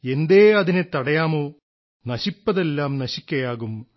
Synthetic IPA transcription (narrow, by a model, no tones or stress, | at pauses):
e̞nd̪eːɐðinet̪ɐɽɐjaːmo̞ː | nɐɕipːɐðe̞lːaːmnɐɕikʲːɐjaːɣum